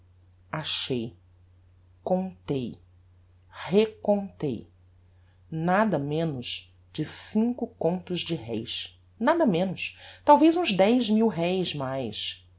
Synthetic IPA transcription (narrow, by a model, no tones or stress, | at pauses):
aʃej | kõnt̪ej | hekõnt̪ḛj | nad̪ɐmẽnʊʃ | d͡ʒɪsĩŋkʊkõnt̪ʊzd͡ʒɪɦɛ̰js | nad̪ɐmẽnʊst̪awvejzũzd̪ɛjzmiwɦɛjzmajs